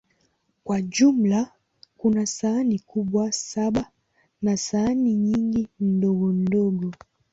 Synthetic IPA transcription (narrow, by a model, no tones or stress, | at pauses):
kwaʄum̩la | kunasaːnikuɓwasaɓa | nasaːniɲiŋɡindɔɡɔndɔɡɔ